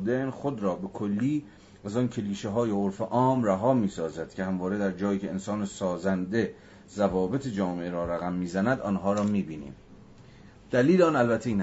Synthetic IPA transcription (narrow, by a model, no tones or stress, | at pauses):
d̪enxod̪ɾɒːbe̞kʰolːiː | æzɒːncʰe̞liːʃeɦɒːjeoɾfeʔɒːmræɦɒːmiːsɒːzæd̪̥cʰehæmvɒːɾe̞d̪æɾd͡ʒɒːjiːcʰe̞ensɒːnesɒːzænd̪e̞ | zævɒːbe̞t̪ʰed͡ʒɒːmeʔeɾɒːɾæɣæmːiːzænæd̪ɒːnɦɒːɾɒːmiːbiːnḭːm | d̪̥æliːleɒːnælbæt̪ʰːeiːn